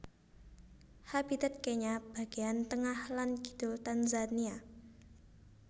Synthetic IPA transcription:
habit̪ət̪̚kɛɲab̥a̤ɡ̥iant̪əŋahlanɡi̥d̪̥ʊlt̪anzania

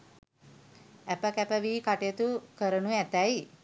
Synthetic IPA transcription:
æpəkæpəʋiːkaʈejət̪ukəɾənuæt̪æj

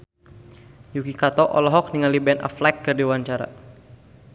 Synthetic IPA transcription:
jukikat̪ɔʔɔ̰lɔɦɔk̚niŋalibɛna̰flakːɨrdiwaɲt͡ʃaɾa̰

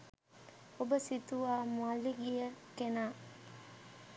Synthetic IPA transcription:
obəsit̪uʋaːmualiɡijəkenaː

